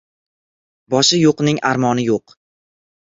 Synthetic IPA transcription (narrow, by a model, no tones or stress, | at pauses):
bɒʃɪjoqnɪŋʔaɾmɒnɪjoq